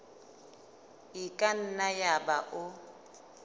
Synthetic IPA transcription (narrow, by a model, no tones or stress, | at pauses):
ɪkʼan̩najabaʔʊ